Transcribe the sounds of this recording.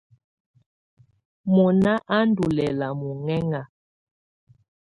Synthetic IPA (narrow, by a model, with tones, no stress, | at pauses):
mɔ˨na˦ʔa˦n˦du˨lɛ˨la˨mu˨ŋɛ˦ŋa˨